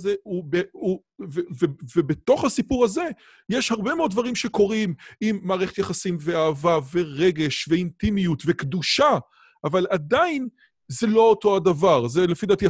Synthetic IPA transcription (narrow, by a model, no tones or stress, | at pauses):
zeubeu | vevevebet̪o̞χhasipuʁhaze̞ | jeʃhaʁbemeo̞d̪̚vaʁimʃeko̞ʁimimːaːʁeχet̪jaχasimveaːvave̞ʁe̞ɡe̞ʃveintimijutve̞kd̪uʃa | ʔːvaladain | ze̞lo̞oto̞adavaʁzelefid̪at̪i